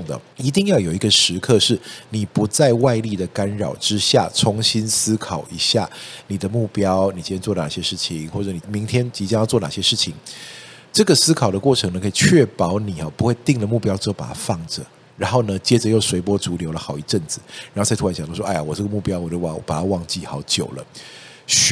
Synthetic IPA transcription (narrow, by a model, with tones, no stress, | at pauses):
ʊ˥˩ŋd̪ə̰˩ | i˧˥t̪i˥˧ŋjɑ˥˩ʊjo˨˩ʊi˧˥ɡə˧ʂɻ̩˧˥kʰɤ˥˧ʂɻ̩˥˩ni˨˩pu˧˥t͡sa˥˧ɪwa˥˧ɪli˥˩d̪ə˩ka˥nɻɑ̰˨˩ʊʈ͡ʂɻ̩˦˥ɕja̰˥˩t͡sʰʊ˧˥ŋɕi˥nsɹ̩˥kʰɑ˨˩ʊi˧˥ɕja˥˩ni˨˩d̪ə˦mu˥˩pjɑ˥ʊni˨˩t͡ɕi˧˥t͡ɕjɛ˧˥t͡swɔ˥˩lə˩na̰˨˩ɕjɛ˥ʂɻ̩˥˩t͡ɕʰi˨˩ŋxwɔ˥˩ʈ͡ʂɤ˧˥ni˨˩mi˧˥ŋt̪ʰjɛ˥nt͡ɕi˧˥t͡ɕjjʊt͡swɔ˥˩na̰˨˩ɕjɛ˦˥ʂɻ̩˥˩t͡ɕʰi˨˩ŋ | ʈ͡ʂɤ˥˩ɡə˩sɹ̩˥kʰɑ˨˩ʊd̪ə˦kwɔ˥˩ʈ͡ʂʰɤ˧˥ŋnə˧kʰə˥i˨˩t͡ɕʰɥɛ˥˩pɑ˧˥ʊni˨˩ɔ˨˦pu˧˥xwe˥˧ɪt̪i˥˩ŋlə˩mu˥˩pjʊʈ͡ʂɻ̩˧˥xo˥˩ʊpa̰˨˩t̪ʰa˥˧fɑ˥˩ŋʈ͡ʂə˩ | ɻa˧˥nxo˥˩ʊnə˨t͡ɕjɛ˥ʈ͡ʂə˨jo˥˩ʊswe˧˥ɪp̬wɔ˥t͡su˧˥ljo˧˥ʊlə˧xɑ˨˩ʊi˧˥ʈ͡ʂə˥˩ŋd͡zɹ̩˨˩ɻa˨˧nxo˥˧a˥˩t̪ʰa˧˥ɕɑ̰˨d̪ɑ˥˩˥a˥˩ja˨˩wɔ˨˩ʈ͡ʂɤ˥˩ɡə˦mu˥˩pjɑ˥ʊwɔ˨˩t͡ɕjo˥˩ʊa˨˩˨pa˨˩a˥˧wɑ˥˧ŋt͡ɕi˥˨xɑ˨˧˥ʊt͡ɕjo̰˨˩ʊlə̰˦ | ɕ